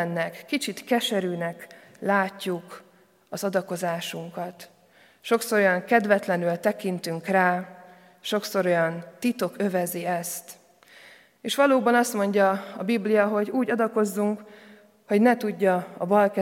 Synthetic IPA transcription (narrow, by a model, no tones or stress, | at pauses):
nːɛkːit͡ʃit̪kɛʃɛɾyːnɛk | laːcːuk | ɒzɒd̪ɒko̞zaːʃuŋkɒt̪ | ʃo̞kso̞ɾojɒŋkɛd̪vɛt̪lɛnylt̪ɛkint̪yŋkraː | ʃo̞kso̞ɾo̞jɒnt̪it̪o̞kø̞vɛziɛst̪ | eːʃʋɒloːbɒnɒst̪mo̞ɲɟɒɒbiblijɒɦo̞ɟuːɟɒd̪ɒko̞zːuŋk | ho̞ɟnɛt̪uɟːɒɒbɒlkɛ